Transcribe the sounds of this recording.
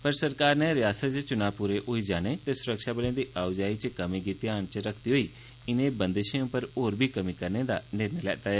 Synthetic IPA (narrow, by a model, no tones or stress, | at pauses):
pɐɾsɐɾkaːɾnẽɾɪjaːsət̪t͡ʃt͡ʃʊnaːpuːɾeʔoːid͡ʒaːñet̪eːsʊɾəkʃabənẽd̪iːʔaːʊd͡ʒaːit͡ʃkɐmiɡit̪iaːñt͡ʃɾɐkʰd̪iɦoːiː | ɪnẽbə̃nd̪eʃẽũpəɾoːɾbʱiːkɐmikɐɾned̪a̰nɪɾnelɛ̰ːt̪aːɦɛː